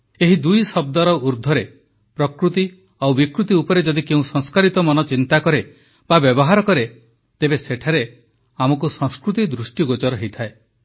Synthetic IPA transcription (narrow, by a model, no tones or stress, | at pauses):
eɦid̪ujsɔb̚d̪ɔɾɔuɾd̪ʱɔɾe | pɾɔkɾut̪i | awbikɾut̪iupɔɾed͡ʒɔd̪ikeũsɔŋskaɾit̪ɔmɔnɔt͡ʃint̪akɔɾe | babjɔbɔɦaɾɔkɔɾe | t̪ebeseʈʰaɾe | amɔkusɔŋskɾut̪id̪ɾusʈiɡod͡ʒɔɾɔɦejt̪ʰae